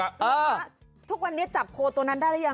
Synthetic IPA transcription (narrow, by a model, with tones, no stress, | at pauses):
ʔɤː˧˥˩ | t̪ʰu˦˥k̚wa˧nːi˦˥ɐt͡ɕa˨˩p̚kʰoː˧t̪u˧əna˦˥ndaː˥˩jlɛ˦˥ja˧